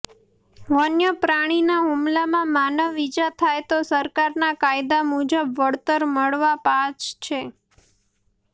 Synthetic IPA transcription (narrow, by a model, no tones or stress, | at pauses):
ʋənjəpɾaɽ̃inaɦumlamãmanəʋːid͡ʒat̪ʰajt̪osəɾkaɾnakajd̪amud͡ʒəbʋəɽt̪əɾməɭʋapat͡ʃt͡ʃʰe